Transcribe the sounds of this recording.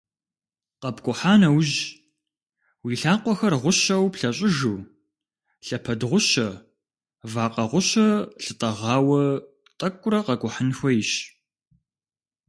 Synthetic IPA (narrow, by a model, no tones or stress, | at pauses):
qɐpkʷʼʊħaːnɐwʑ | wiːɬaːqʷɔxɐrʁʷʊɕɐwpɬɐɕʼɪʒuː | ɬɐpʰɐdʁʷʊɕɐ | vaːqɐʁʷʊɕɐɬɨtʼɐʁɑːwɐ | tʼɐkʷʼʊɾɐqɐkʷʼʊħənxʷɔjɪɕ